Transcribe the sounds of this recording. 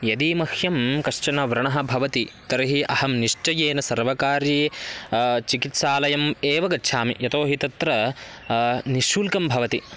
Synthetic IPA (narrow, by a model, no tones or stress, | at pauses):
jɐd̪iːmɐhjɐmkɐʂt͡ʃɐnɐʋɾɐɳɐɦɐ̆bʱɐʋɐt̪it̪ɐɾɐɦiʔɐhɐmniʂʈɐjeːnɐsɐɾʋɐkaːɾje | t͡ʃikit̪saːlɐjɐmeːʋɐɡɐtːʃʰaːmḭjɐt̪oːɦit̪ɐt̪ɾɐ | niʃuːlkɐmbʱɐʋɐt̪i